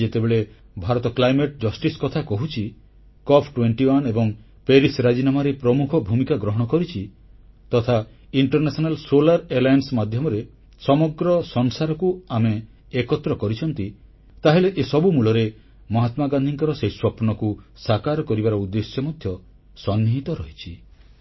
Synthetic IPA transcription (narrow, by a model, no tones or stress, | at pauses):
d͡ʒet̪ebeɭe | bʱaɾɔt̪ɔklajmeʈ̚d͡ʒɔsʈiskɔt̪ʰakɔɦut͡ʃʰi | kɔpʰʈweɳʈiwanebɔŋ | peɾisɾad͡ʒinamaɾepɾɔmukʰɔbʱumikaɡɾɔɦɔɽ̃ɔkɔɾit͡ʃʰi | t̪ɔt̪ʰa | iɳʈɔɾnesɔnalsolaɾelajnsmad̪ʱjɔmɔɾe | sɔmɔɡɾɔsɔŋsaɾɔkuameː | kɔt̪ːɾɔkɔɾit͡ʃʰɔnt̪i | t̪aɦeleʔesɔbumuɭɔɾe | mɔɦat̪maɡand̪ʱiŋkɔɾɔseiswɔpɔnɔkusakaɾɔkɔɾibaɾɔud̪ːesjɔmɔd̪ʱjɔ | sɔnːiɦit̪ɔɾɔɦit͡ʃʰi